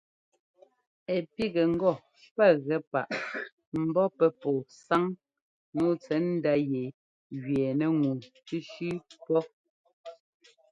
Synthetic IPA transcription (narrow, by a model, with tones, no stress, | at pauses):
ɛ˨pi˦ɡɛ˨ŋ̩˦ɡɔ˦˨ | pɛ˦˨ɣɛ˦pa̰˨ʔ | m̩˨bɔ˦pɛ˦pɔ˨sa˦ŋ | nu˦t͡sɛ˨˦n̩˦da˦je˨ | ɣɥɛ˨nɛ˦ŋu˨ti˦ʃʉ˦pɔ˦